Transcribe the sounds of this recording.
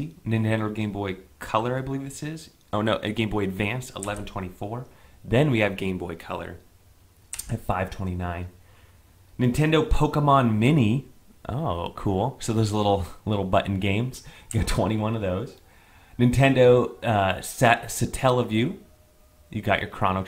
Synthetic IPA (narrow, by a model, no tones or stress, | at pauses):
inɨ̃ntɛ̃ndoʊɡẽɪ̃mbɔɪkʰʌlˠə˞aɪbəlivðɪsɪz̥ | oʊnoʊʔɨɡẽɪ̃mbɔɪɨdvæ̃nstə̰lɛvn̩tʰw̥ɛ̃ɾ̃ifɔɹðɨ̃nwiɨvɡẽɪ̃mbɔɪkʰʌ̰lˠə̰˞ | ɨfaɪv̥tʰw̥ɛ̃ɾ̃inãɪ̃nː | ɨ̃ntʰɛ̃ndoʊpʰoʊkəmɑ̃nmɪni | ʔo̰ʊkʰulˠsoʊðoʊzlɪɾl̩ˠlɪɾl̩ˠbʌʔn̩ɡẽɪ̃mz̥jɨɡɑtʰw̥ɛ̃ɾ̃iwʌ̃nʌvðoʊz̥ | nɨ̃ntʰɛ̃ndoʊʌsɛsɨtʰɛlˠʌvjʉ | jɨɡɑ̰t͡ʃə̰˞kʰɹ̥ɑñək